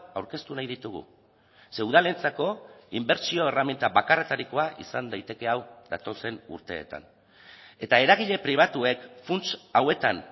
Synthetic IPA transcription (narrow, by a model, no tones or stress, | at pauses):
awɾke̞st̪unajðit̪uɣ̞ṵ | se̞wðale̞nt͡sako̞imbe̞ɾt͡sio̞eramint̪aβakare̞t̪aɾiko̞aʔḭsand̪ajt̪e̞ke̞awd̪a̰t̪o̞se̞nṵɾt̪e̞̰ːt̪a̰n | e̞t̪ae̞ɾaɣ̞iʎe̞pɾiβ̞at̪ue̞kfunt͡sawe̞t̪an